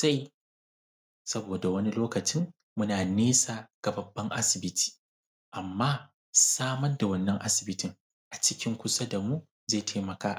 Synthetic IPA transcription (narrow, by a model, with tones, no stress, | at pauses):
sa˦j | sɐ˦boː˨da˨wɐ˦ni˦loː˦kɐ˨t͡ʃɪ˦ŋ | mʊ˦naː˨neː˦saː˨ɡ̥a˨bɐ˨bːɐ˦ŋʔa˦sɪ˨bɪ˦tʰi̥ː˨ | ʔa˨mːaː˦ | saː˦mɐ˦rda˨wɐ˦nːɐ˦ŋʔa˦sɪ̥˨bɪ˦tɪ˨ŋ | ʔa˨t͡ʃɪ˦kʲɪ˦ŋkʷʊ˦sa˦da˨muː˦ | za˦˨tʰeː˦mɐ˨kaː˦ʔ